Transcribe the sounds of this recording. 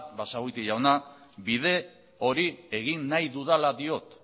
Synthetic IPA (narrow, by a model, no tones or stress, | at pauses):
basaɣujt̪iʝawnabiðe̞ | o̞ɾie̞ɣinːajðuðalaðio̞t̪